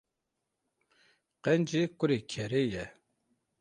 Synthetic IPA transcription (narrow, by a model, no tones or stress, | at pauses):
qɛnd͡ʒikʷʊɾikʲʰɛɾejɛ